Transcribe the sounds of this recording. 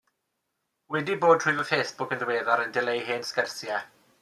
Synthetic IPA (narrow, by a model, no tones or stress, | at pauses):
wɛdiboːd̥rʊɨvəfeːsb̥ʊkənðweːðaɾəndɪlejɦeːnskərsjɛ